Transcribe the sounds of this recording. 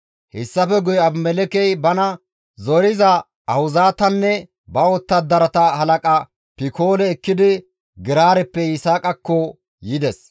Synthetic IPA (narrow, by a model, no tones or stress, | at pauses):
hɛsːɐfɛɡʊjɐbmɛlɛkɛjbɐnɐ | zɔɾɪzɐ | ɐhʊzaːt̪ɐnːɛ | bɐɔt̪ːɐd̪ɐɾɐt̪ɐhɐlɐkʼɐ | pɪko̞ːlɛːkːɪd̪ɪ | ɡɪɾaːɾɛpːɛɪsaːkʼɐkːɔ | jɪd̪ɛs